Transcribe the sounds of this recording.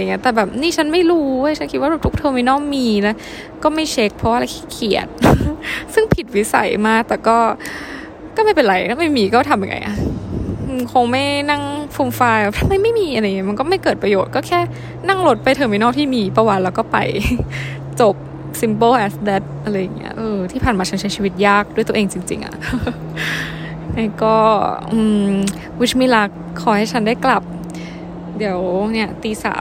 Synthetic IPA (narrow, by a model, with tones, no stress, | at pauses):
a˧˨ŋːi˦ɐt̪ɛː˨˩bɛː˨˩p̚niː˥˩t͡ɕʰa˦˥nma˥˩jɾuː˦˥u˦˥˩jt͡ɕʰa˦˥nkʰi˦t̪̚waː˥˩ɛː˨˩pt̪ʰu˦˥k̚t̪ʰɤː˧ŋmi˧˦nɔː˥˩ŋmiː˧lɛː˦˥ | kɔː˥˩ma˥˩jt͡ɕʰe˦˥k̚pʰɾɔ˧˦waː˥˧a˧jkʰɛː˥˩kʰi˨˩ət̪̚ | sɯ˥˩ŋpʰi˨˩t̪̚wi˦˥sa̰˨˩˦jmaː˥˩k̚t̪ɛː˨˩kɔː˥˩ | kɔː˥˩ma˥˩jpe˧nɾa˧jnʰa˧˥˩ma˥˩miː˧kɔː˥˩t̪ʰa˧mja˨˩ŋːʔa̰˧jʔa̰˧˩˧ | kʰo˧ŋma˥˩jna˥˩ŋpʰuː˧mfaː˧ja˧˥t̪ʰa˧mːa˧˩jma˥˩jmiː˧ʔa˧ɾa˧jŋi˦˥ma˧nkɔː˥˩ma˥˩jkɤː˨˩t̪̚pɾa˧joː˨˩t̪̚kɔː˥˩kʰɛː˥˩ | na˥˩ŋlo˧˦˥t̪̚pa˧jt̪ʰɤ˧ŋma˧nɔː˥˩k̚t̪ʰiː˥˩miː˧pa˧wa˨˧˩t̪̚lɛ˦˥wkɔː˥˩pa̰˧j | t͡ɕo˨˩p̚ | si˨˦mpoː˥˩ʔɛ˨˥sdɛ˦˥t̪̚ʔa˧ɾa˧jːa˨˩ŋːḭ˦˥ɐʔɤː˧t̪ʰiː˥˩pʰaː˨˩maː˧t͡ɕʰa˦˥nt͡ɕʰa˦˥jt͡ɕʰiː˧wi˦t̪̚jaː˥˩k̚du˥˩jt̪u˧ə˨ʔeː˧ŋt͡ɕi˧ŋt͡ɕḭ˧ŋʔa̰˨˩ʔ | na˧˥˩kɔː˥˩ʔɯː˧m | wi˦˥t͡ɕmiː˧˥˩la˦˥kʰːɔː˧˩˦ha˥˩jt͡ɕʰa˦˥ndaː˥˩jkla˨˩p̚ | di˨˦əwni˥˩ɐt̪iː˧˩sa̰ː˨˩˦